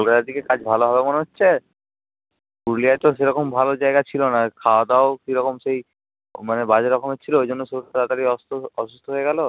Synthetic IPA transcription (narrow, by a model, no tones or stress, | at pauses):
kɔlkat̪aɾd̪ikekad͡ʑbʱaloɦɔbemoneɦotːɕʰe | puɾliaʈ̪oseɾɔkombʱalod͡ʒaeɡat͡ɕʰilonakʰaod̪aokiɾɔkomsej | manebad͡ʑeɾɔkomet͡ʃʰiloejd͡ʒɔnːosoɾk̪ɾat̪aɾiɔsɔʃust̪ʰoɦoeɡalo